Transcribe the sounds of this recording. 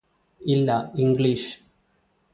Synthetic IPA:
ilːɐiŋɡɭiʂ

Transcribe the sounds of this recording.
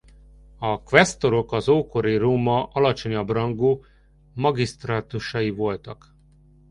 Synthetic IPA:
ɒkʋɛst̪o̞ɾo̞kɒzoːko̞ɾiroːmɒʔɒlɒt͡ʃo̞ɲɒbrɒŋɡoː | mɒɡist̪raːt̪uʃɒjivo̞lt̪ɒk

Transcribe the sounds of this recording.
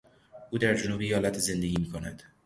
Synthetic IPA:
ʔuːd̪æɾd͡ʒonuːbejɒːlæt̪ʰeze̞nd̪e̞ɡʲiːmiːkʰonæ̰d̪̥

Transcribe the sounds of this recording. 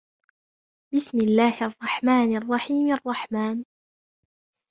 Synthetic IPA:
bɪsmɪlːaːhʔɑrˤːɑħmaːnʔɑrˤːɑħiːmʔɑrˤːɑħmaːn

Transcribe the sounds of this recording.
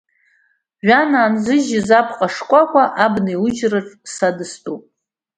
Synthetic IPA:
ʒʷᶣanaːnzʷɨʒɪzapʰqʼaʂkʷʼakʷʼaʔabniwʊd͡ʒrɨʈ͡ʂʼsadɨstʼupʼ

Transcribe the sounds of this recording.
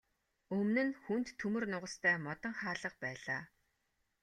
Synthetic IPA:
ɵmnɘ̆nxunt̪ʰːumɵ̆rnʊʁə̆st̪ʰæːmɔt̪ɞ̆ŋχaːɮə̆q̚pæːɮaː

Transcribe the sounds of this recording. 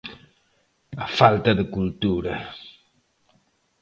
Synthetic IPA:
afalt̪aðəkult̪uɾa

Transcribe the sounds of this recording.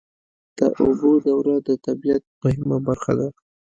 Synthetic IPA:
d̪̥ə̰ʔʊbod̪awɾad̪ət̪abijat̪̚mʊhɪmabaɾxad̪a

